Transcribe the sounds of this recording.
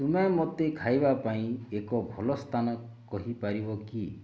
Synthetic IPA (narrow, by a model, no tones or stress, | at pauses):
t̪umamot̪ekʰajbapaĩekɔbʱɔlɔst̪ʰanɔ | kɔɦipaɾibɔki